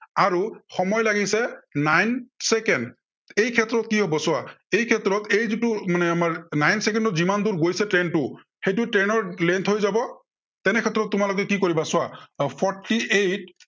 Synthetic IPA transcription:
aɹuxɔmɔjlaɡisɛnajnsɛkɛnd | ejkʰɛtɹɔt̚kiɦobɔsʊaejkʰɛtɹɔtejzitʊmanɛamaɹnajnsɛkɛndɔzimanduɹɡojsɛtɹɛntʊ | xejtʊtɹɛnɔɹlɛntʰhojzabɔ | tɛnɛkʰɛtːɹɔtːʊmalɔkɛkikoɹibasʊwapʰɔɹtiejt̚

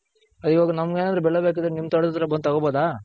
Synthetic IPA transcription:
ɐd̪ioːɡɐnɐmɐɡeːnaːd̪ɾubɛɭːebeːk̬ad̪ɾenimːɐt̪ɐɽd̪t̪ːɐɾɐbɐnd̪̚t̪ɐɡoboːd̪aː

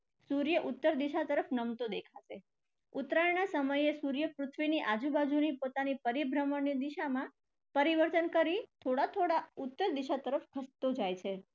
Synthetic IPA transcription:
suɾjəʔut̪ːəɾd̪iʃat̪əɾəfnəmt̪od̪ekʰaʃe | ut̪ɾanasəməjesuɾjəpɾʊt̪ʰʋiniʔad͡ʒubad͡ʒunipot̪anipəɾibʱɾəməɳːid̪iʃamã | pəɾiʋəɾt̪ənkəɾit̪ʰoɽat̪ʰoɽaut̪ːəɾd̪iʃat̪əɾəfkʰəst̪od͡ʒajt͡ʃʰe

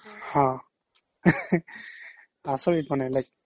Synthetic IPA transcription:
hɔ̃ | asɔɹimanɛlajk̚

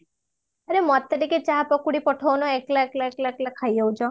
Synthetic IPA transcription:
əɾemɔt̪ːəɾiket͡ʃaɦpɔkuɽipɔʈʰonoeklaeklaeklaeklakʰːajjəũd͡ʒɔ

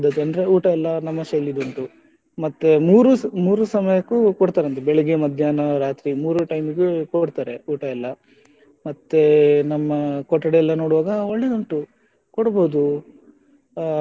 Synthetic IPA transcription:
d̪ɐd̪eɐnd̪ɾe̞uːʈɐɛlːɐnɐmːɐʃɐlːid̪oɳʈu | mɐt̪ːemuːɾusmuːɾusɐmɐjɐkukɔɽt̪aːɾeɐnt̪ebɛɭɛɡemɐd̪ʱjaːnɐɾaːt̪ɾimuːɾuʈɐjmiɡekoɽt̪aːɾe̞uːʈɐɛlːɐ | mɐt̪ːenɐmːɐkɔʈːɐɽeɛlːɐno̞ːɽuʋaːɡɐoɭːed̪oɳʈu | koɽboːd̪u

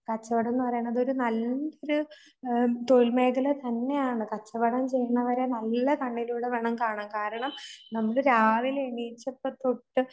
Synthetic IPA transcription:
kɐt͡ɕːɐʋɐɽenːɨpɐrɐjuɳːɐðo̞ɾunɐloɾu | t̪oɻlme̞ːɡɐlet̪ɐnːe̞jaːɳɨkɐt͡ɕːɐʋɐɽɐmt͡ɕe̞jːɐɳːɐʋɐɾenɐlːɐkɐɳːiluːɽeʋeɳɐmkaːɳaːnkaːɾɐɳɐmnɐmːɐɭɾaːʋileɳiːt͡ɕːɐpːɐt̪oʈːɨ

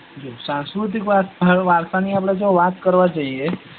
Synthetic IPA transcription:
d͡ʒisãnskɾut̪̬ikʋat̪ʋaɾsaniap̬ɽad͡ʒoʋat̪kəɾʋat͡ʃaɦie

